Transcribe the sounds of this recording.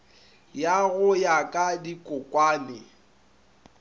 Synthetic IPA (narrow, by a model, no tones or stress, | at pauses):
jaɣʊjakʼadikʼʊkʼwaːnɪ